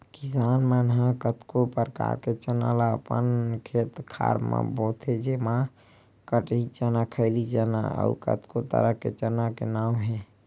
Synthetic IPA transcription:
kisanmənɦakət̪kopəɾka̰ɾket͡ʃənalaəpənkʰet̪kʰa̰ɾmã̰bɔt̪ɦɛd͡ʒemã | kəʈit͡ʃənakʰəɪlid͡ʒəna̰ə̰ukə̰t̪kot̪ə̰ɾəkḛt͡ʃənakenawɦɛ̃

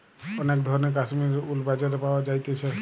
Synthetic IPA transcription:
ɔnek̚d̪ʱɔɹɔnek̬asmiɾulbad͡ʒaɾepawad͡ʒajt̪et͡ʃʰɛ

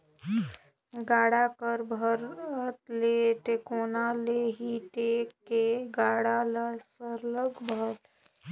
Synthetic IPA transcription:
ɡaːɽakəɾbʱəɾət̪leʈekoːnaleɦiʈekːeɡaːɽaləsəɾləɡbʱəɾ

